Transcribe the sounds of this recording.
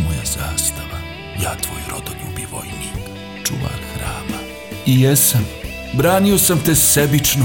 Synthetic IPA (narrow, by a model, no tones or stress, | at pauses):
mojaz̥aːst̪aʋa | jaːt̪ʋo̰jɾod̪oʎubiʋo̰jni | t͡ʂṵʋa̰kxɾaːma | ijesam | bɾaːnio̞samt̪esebit͡ʃno